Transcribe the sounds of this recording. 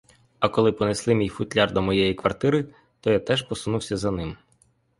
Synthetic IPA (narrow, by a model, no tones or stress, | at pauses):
ɐkɔlˠɪpɔneslˠɪmʲijfʊt̪ʲlʲɑrd̪ɔmɔjɛjikʋɐrt̪ɪɾɪ | t̪ɔjat̪ɛʒpɔsʊnuwsʲɐzɐnɪm